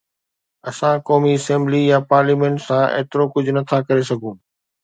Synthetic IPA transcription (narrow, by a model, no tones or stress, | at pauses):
ɐsãkɔːmiɐsɛ̃ːmblijapaːɾliːmẽːɳʈsãḛːt̪ɪɾokʊd͡ʑʱʊnɐt̪ʰakɐɾesɐɡʱũː